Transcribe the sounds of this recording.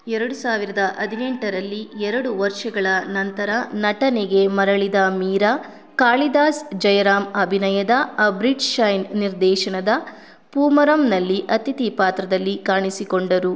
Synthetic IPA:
ɛɾɐɽusaːʋiɾɐd̪ɐʔɐd̪ʱineɳʈɐɾɐlːiɛɾɐɽuʋɐɾʂɐɡɐɭɐnɐnt̪ɐɾɐnɐʈɐneɡe̞mɐɾɐɭid̪ɐmiːɾɐ | kaːɭid̪aːsd͡ʒɐjɐɾaːmɐbʱinɐjɐd̪ɐbɾid͡ʒʃɐjnniɾd̪ɛːʃɐnɐd̪ɐ | puːmɐɾɐmnɐlːiʔɐt̪it̪ipaːt̪ɾɐd̪ɐlːikaːɳisikoɳɖɐɾu

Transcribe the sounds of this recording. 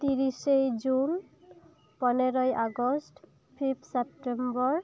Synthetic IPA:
t̪iɹisejd͡ʒun | pɔnɛɹɔjʔaɡɔst | pʰipʰsɛptɛmbɔɹ

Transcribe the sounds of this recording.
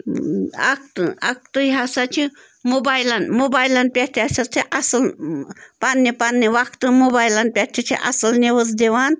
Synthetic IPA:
a̰kt̪ak̚t̪ɨɦasat͡ʃʰi | mobaːjlanmobaːjlanpʲaʈ̪ʰiasɐt͡ʃʰiʔɐsɨl | panːipanːiʋakʰt̪ɨmobaːjlanpʲaʈʲʰit͡ʃʰḭʔɐ̰sɨlneʋəzd̪eʋaːn

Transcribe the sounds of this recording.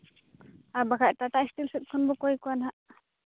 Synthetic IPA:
aɾbaɡʰaʔʈaʈaistilsɛt̪̚kʰɔnbɔkɔjkɔwanɦaʔ

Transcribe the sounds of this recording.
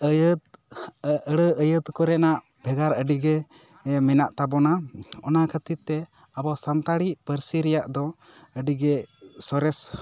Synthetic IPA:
əjt̪ | əɽəəjət̪kɔɾɛnaʔ | bʱɛɡaɾəɖiɡɛ | mɛnaʔt̪abɔnaɔ̰nakʰət̪it̪ːɛ | abɔsant̪aɽiʔpəɾsiɾɛjaʔd̪ɔ | əɖiɡɛsɔɾɛs

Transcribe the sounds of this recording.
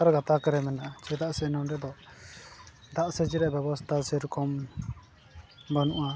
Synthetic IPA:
aɾɡat̪akəɾɛmɛnaʔt͡ʃɛd̪aʔsɛnɔmɾɛd̪ɔ | d̪aʔsɛd͡ʒiɾɛʔbɛbɔst̪ʰasɛɾukʰɔm | banuʔa

